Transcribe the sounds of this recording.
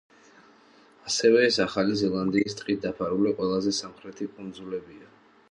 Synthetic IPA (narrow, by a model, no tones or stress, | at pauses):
asɛvɛːsaχalizɛlˠand̪iːst̪ʼqʼid̪apʰaɾuliqʼwɛlˠazɛsamχɾɛt̪ʰikʼund̪zulɛbia